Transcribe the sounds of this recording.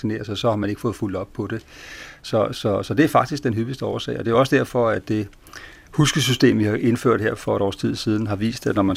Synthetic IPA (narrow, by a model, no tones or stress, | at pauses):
sine̝̰ːɐsɒ̽sɒ̽hɑ̈mæne̝ɡ̥fɔ̽ːð̩ˠfuld̥ɒ̽b̥̚pʰɒ̽d̥e̝sɒ̽sɒ̽sɒ̽d̥e̝æɐfɑ̈ɡ̥d̥isɡ̥̚d̥enɦyb̥isd̥əɒːɐsɛ̰ːɪɒ̽d̥e̝joɒ̽sə̥d̥æɐ̰fɒ̽æd̥e̝ | husɡ̥əs̬ysd̥e̝̰ːmʋihɑ̈ʔe̝nfø̰ɐ̰d̥heɐ̰fɒ̽ɾɒ̰ːst͡sʰið̞̰ˠsiːð̞ˠn̩ɦɑ̈ʋḭːsd̥æd̥nɒmæn